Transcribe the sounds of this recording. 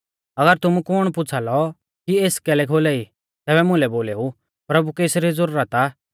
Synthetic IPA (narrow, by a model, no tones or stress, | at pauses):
ɐɡəɾt̪ʊmũkʊɽ̃p̬ʊt͡sʰalɔ | kieːskɛːlɛkʰoːlɛi | t̪ɛːbɛmʊ̃lɛboːlɛːɦu | pɾɐbukeːsɾizʊɾuɾət̪a